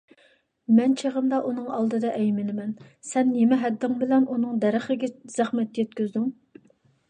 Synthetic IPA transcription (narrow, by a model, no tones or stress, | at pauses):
mɛnt͡ʃʰeʁəmd̪ɑʔunɨŋɑlˠd̪ɨd̪ɑʔɛjmɪnɪmɛnsɛnːemɪɦɛd̪ːɪŋbɪlɛnunɨŋd̪ɛɾɪχɪɡʲɛz̥æχmɛt̪̚jɛt̪̚kʲyzd̪yŋ